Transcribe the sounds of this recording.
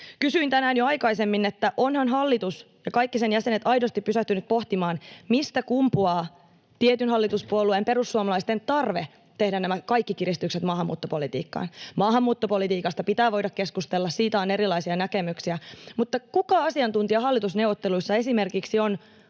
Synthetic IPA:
kysyint̪ænæːnjoɑjkɑisemːinːet̪ːæʔonhɑnɦɑlːit̪us | jɑkɑjkːisenjæse̞net̪ɑjdost̪ipːysæht̪ynyt̪̚poht̪imɑːnmist̪ækumpuɑː | t̪iet̪ynɦɑlːit̪uspuoluempe̞ɾusːuɑmɑlɑist̪ent̪ɑrʋe | t̪ehdænæmækɑikːikirist̪ykset̪mɑːhɑmːṵːt̪ːopolit̪ḭːkːɑ̰ːnmɑːhɑmːuːt̪ːopolit̪iːkɑst̪ɑpit̪æːʋo̞jdɑkkːeskust̪elːɑssiːt̪æoneɾilˑɑisiɑnækemyksiæmut̪ːɑkukɑɑsiɑnt̪unt̪iɑɦɑlːit̪usnewʋot̪ːeluisːɑe̞simerkiksion

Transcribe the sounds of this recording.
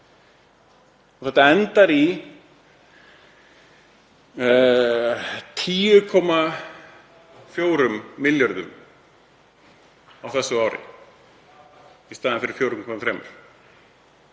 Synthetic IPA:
ɔθɛht̪aɛnt̪aɾi | t̪ʰiːʏɾkʰɔːma | fjoːwɾʏmːɪljœɾðʏ̰m | awθɛsːʏaːwɾɪ̰ | ist̪aːðɪnfɪɾɪɾ̥fjoːwɾʏmkʰɔmaθɾeːmʏ̰ɾ̥

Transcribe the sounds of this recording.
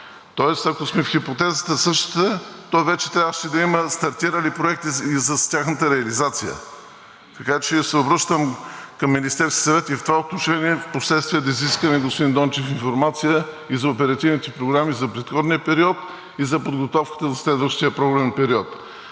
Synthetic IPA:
t̪ɔɛst̪ɐkosmɛfxipot̪ɛzət̪əsɤʃt̪ə̥t̪ət̪ɔjvɛt͡ʃɛ̥t̪ɾʲavvəʃɛd̪ɐiməst̪ɐɾt̪iɾəlipɾoɛk̚t̪izɐstʲaxnət̪əɾɛɐlizat̪sijə̰ | k̪ɐkat͡ʃɛsɛobɾəʃt̪əmkɐmːinist̪ɛɾskʲi̥sɐvɛt̪ift̪ovaot̪noʃɛniɛfposlɛt̪st̪viəd̪ɐiziskɐnɛɡospod̪ind̪ɔnt͡ʃifinfoɾmat̪sijə | izɐopɛɾɐt̪ivnit̪ɛpɾoɡɾamizɐpɾɛt̪xɔd̪niəpɛɾiɔt̪ | izɐpod̪ɡot̪ɔfkə̥t̪əzɐslɛd̪vəʃt̪ijəpɾoɡlɛnpɛɾiɔt̪

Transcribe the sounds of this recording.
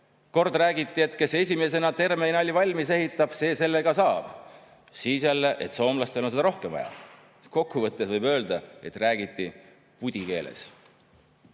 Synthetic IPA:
ko̞rd̪ræːɡit̪ːˑie̞t̪ke̞se̞sʲime̞se̞nɑt̪e̞rme̞jnɑlʲːivɑlʲmise̞ɦit̪ːˑɑb̥se̞ːse̞lːe̞ɡɑsɑːb̥ | siːsjælːe̞ʔe̞̰t̪ˑso̞ːmlɑst̪e̞lonse̥ɑɾo̞hkemvɑ̰jɑ̰ | ko̞kːˑuvɤt̪ːesvɤjbø̞ːld̪̥ɑe̞t̪ræːɡ̥it̪ːˑi | pud̪̥ʲike̞̰ːlḛs

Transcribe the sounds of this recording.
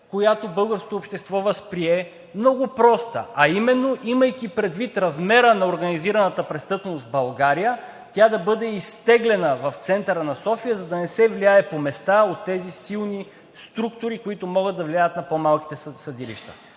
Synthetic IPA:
kojat̪obɤlˠɡəɾsko̥t̪oːpʃt̪ɛst̪vɔvəspɾiɛ | mnɔɡʊpɾɔst̪ə̰ɐimɛnːoʔiməjk̟ipɾɛd̪vit̪ɾɐzmɛɾənɐoɾɡɐniziɾɐnət̪əpɾɛst̪ɤpnost̪bɐlˠɡaɾijə | t̪ʲad̪ɐbɤd̪ɛist̪ɛɡlɛnəvɐft̪sɛnt̪əɾənɐsɔfijəzɐd̪ɐnɛsɛvliaɛpomɛst̪aot̪ːɛzisilˠni | st̪ɾukt̪ʊɾikoit̪omɔɡəd̪d̪ɐvliajət̪nɐpomalˠki̥t̪ɛsɐd̪ilḭʃt̪ə̰

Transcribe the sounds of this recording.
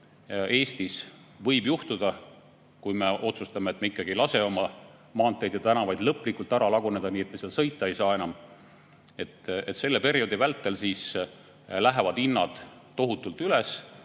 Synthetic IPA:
e̞ːst̪is | vɤ̞jbjuht̪ud̪̥ɑ | kujme̞ʔo̞t̪sust̪ɑmeet̪ːmeikːˑɑɡ̥ieilɑse̞o̞mɑ | mɑːnt̪ːˑe̞jd̪jɑt̪ænɑvɑjd̪̥lɤpˑːlikːˑult̪ˑæɾɑlɑɡune̞d̪̥ɑniːe̞t̪̚mesiɑlsɤjt̪ːˑɑejsɑːe̞nɑm | e̞t̪ːet̪se̞lːe̞pe̞ɾio̞d̪ivælt̪ːˑe̞lsiːs | læɦevɑd̪̥inːɑd̪̥ː | o̞ɦut̪ːˑult̪yles

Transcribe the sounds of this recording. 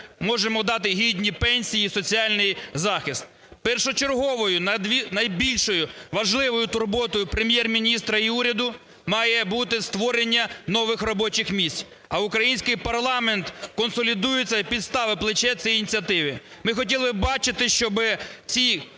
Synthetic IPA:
mɔʒemɔd̪ɑt̪ɪɦʲid̪ʲnʲipɛnʲsʲijisɔt͡sʲiɑlʲnɪjzɑxɪst̪̚ | pɛrʃɔt͡ʃerɦɔʋɔjʊnɐd̪ʋʲinɐjbʲilʲʃɔjʊʋɐʒlˠɪʋɔjʊt̪ʊrbɔt̪ɔjʊpɾemʲjɛrmʲinʲist̪ɾɐiuɾʲɐd̪ʊ | mɑjɛbut̪ɪst̪ʋɔɾenʲːɐnɔʋɪxrɔbɔt͡ʃɪxmʲisʲtʲ | ɐʊkɾɐjinʲsʲkɪjpɐrlˠɑment̪kɔnsɔlʲid̪ujet͡sʲːɐpʲid̪st̪ɑʋɪplˠɪt͡ʃɛt͡sʲiinʲit͡sʲiɐt̪ɪʋʲɪ | mɪxɔtʲilˠɪbɪbɑt͡ʃɪt̪ɪʃt͡ʃɔbɪt͡sʲi

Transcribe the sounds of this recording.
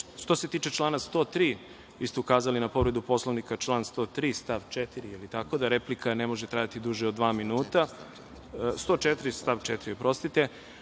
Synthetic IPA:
ʃt̪o̞se̞t̪iːt͡ʃe̞t͡ʃlˠaːnast̪o̞ːt̪ɾiː | ʋist̪eukaːzalinapo̞ʋɾe̞d̪upo̞slˠoʋnikat͡ʃlˠaːnst̪o̞ːt̪ɾiːst̪aʋt͡ʃet̪iɾijelit̪ako̞d̪aɾeplikʰanemo̞ʒet̪ɾaːjat̪id̪uʒeod̪ːʋaːminuːt̪a | st̪o̞t͡ʃet̪ɾist̪aʋt͡ʃet̪iɾiopɾo̞st̪it̪e̞

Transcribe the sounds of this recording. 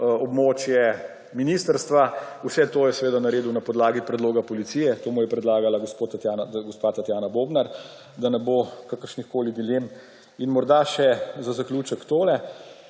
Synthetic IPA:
ɔbmoːt͡ʃjɛ | minist̪əɾst̪ʋausɛt̪oːjɛsɛʋeːd̪anaɾeːd̪unapɔd̪laːɡipɾɛd̪loːɡapɔlit̪siːjɛt̪oːmujɛpɾɛd̪laːɡalaɡospoːt̪at̪jaːnaɡospat̪at̪jaːnaboːbnaɾ | d̪anɛboːkakəɾʃnixkoːlid̪ilem | inmɔɾd̪aʃɛzazakluːt͡ʃəkt̪oːlɛ

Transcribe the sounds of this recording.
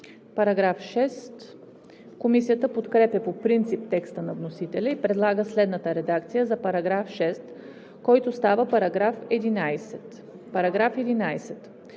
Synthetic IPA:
pɐɾɐɡɾafʃɛst̪ | komisijət̪əpot̪kɾɛpʲɛpopɾint̪sip̚t̪ɛkst̪ənɐvnosit̪ɛlʲɛipɾɛd̪lˠaɡəslɛd̪nət̪əɾɛd̪akt̪sijəzɐpɐɾɐɡɾafʃɛst̪ | kɔjt̪ost̪avəpɐɾɐɡɾafɛd̪inajsɛt̪ | pɐɾɐɡɾafɛd̪inajsɛt̪

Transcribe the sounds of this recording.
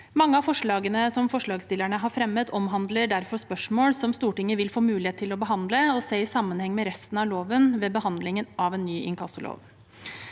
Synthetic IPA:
mɑŋːəɑfɔʂɭɑːɡənəsɔmfɔʂɭɑːɡst̪ɪlæɳəɦɑɾfɾɛmːət̪ʰɔmɦɑnd̪ləɖæɾfɔspœʂmoːlsɔmst̪uːʈɪŋːəʋɪlfoːmʉːlɪheːt̪ʰːɪlɔbəɦɑnd̪ləɔsæɪɪsɑmːənhɛŋːmɛɾɛst̪n̩ɑʋloːʋənʋɛbəhɑnd̪lɪŋənɑʋɛːnːyːʔɪ̰nŋkʰɑsəlʔo̰ːʋ

